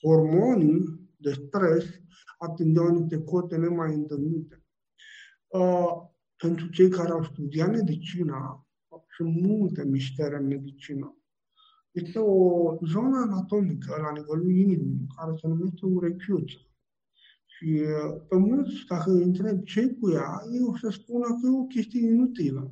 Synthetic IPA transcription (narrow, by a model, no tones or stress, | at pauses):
hormonid̪est̪ɾes | at̪ind̪iawnit̪ekot̪enemajɨnt̪elnit̪e | pent̪ɾut͡ʃe̞jkaɾeawst̪ud̪iat̪med̪it͡ʃina | simult̪emiʃt̪eɾʲenmed̪it͡ʃina | jit̪eozonaːnat̪omikəlanivɛlujinimukaɾet͡sənumɛt̪euɾekʰot͡sḁ | ʃipemult̪st̪akəint̪ɾeb̚t͡ʃejkujajeost̪espunakeokʲest̪ieminut̪ilə